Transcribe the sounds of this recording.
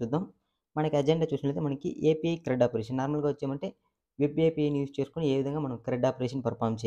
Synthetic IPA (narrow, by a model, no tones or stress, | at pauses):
sud̪ːam | mɐnɐkiɐd͡ʒeɳɖaːt͡ʃuːsinɐʈleːt̪emɐnɐkḭʔeːpijɐjkɾɛɖaːpɐɾeːʃ̬ɐnːaːɾmɐlɡaːʋɐt͡ʃːeːmɐɳʈe̞ː | ʋebeːpiɐjnjuːst͡ʃe̞ːsu̥kunie̞ːʋid̪ʱɐŋɡaːmɐnɐmkɾeɖaːpɐɾeʃɐnpɐɾpʰaːɾmt͡ʃe